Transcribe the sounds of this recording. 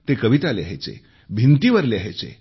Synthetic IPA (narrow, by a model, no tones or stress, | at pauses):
t̪ekəʋit̪aljḛɦet͡sḛ | bʱint̪iʋəɾljeɦet͡sḛ